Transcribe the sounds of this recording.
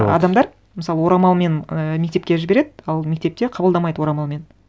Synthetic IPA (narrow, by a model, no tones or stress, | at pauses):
ɑ̰d̪ɑmd̪ɑɾ | məsɑlˠəwo̞ɾɑmɑlˠme̞nme̞kt̪e̞pkʲeʒɪbe̞ɾe̞d̪ɪɑlˠme̞k̚t̪e̞p̚t̪eqʰɑbəlˠd̪ɑmɑjd̪əwo̞ɾɑmɑlˠme̞n